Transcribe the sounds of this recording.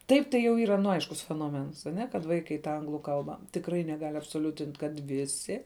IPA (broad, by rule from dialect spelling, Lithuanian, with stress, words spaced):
ˈtɐɪp tɐɪ jɛʊ ˈiːrɐ nʊ ˈɐɪʃkʊs fʲɛnoːˈmʲɛns ɐˈnʲɛ kɐt ˈʋɐɪkɐɪ tɐ ˈɐŋɡlˠʊ ˈkɐlˠbɐ tʲɪkˈrɐɪ nʲɛˈɡɐlʲ ɐpsoːˈlʲʊtʲɪnʲtʲ kɐt ˈʋʲɪsʲɪ